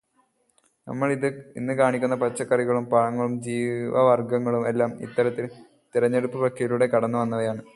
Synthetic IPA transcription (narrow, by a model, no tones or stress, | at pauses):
nɐ̰mːɐɭiðɨinːɨkaːɳikʲːunːɐpɐt͡ɕːɐkːɐriɣɐɭumpɐɻɐŋːɐɭumd͡ʑiːʋɐ̰ʋɐrɡɐŋːɐɭume̞lːaːmḭt̪ːɐɾɐt̪ːil | t̪iɾɐɲːe̞ɽupːɨpɐkʰːijiluɽe̞kɐɽɐnːuʋɐnːɐʋɐjaːɳɨ